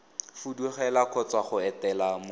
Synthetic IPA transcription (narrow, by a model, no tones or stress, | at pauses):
fuduχɛlakʰɔt͡swaχʊɛtɛlam